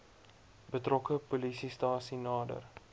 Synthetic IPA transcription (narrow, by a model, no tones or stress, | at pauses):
bətrɔkəpolisistɑːsinɑːdə̰r